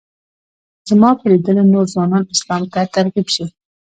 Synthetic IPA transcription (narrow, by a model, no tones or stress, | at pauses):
zmɑpʰəlid̪əlenoɾzwɑnɑnɪslɑmt̪at̪aɾqibʃi